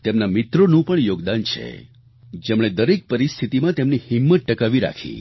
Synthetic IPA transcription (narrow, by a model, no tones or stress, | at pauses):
t̪emnamɪt̪ɾonũpəɳjoɡd̪ant͡ʃʰḛ | d͡ʒemɽ̃ed̪əɾek̚pəɾist̪ʰit̪imãt̪emnihimːət̪̚ʈəkaʋiɾa̰kʰḭ̃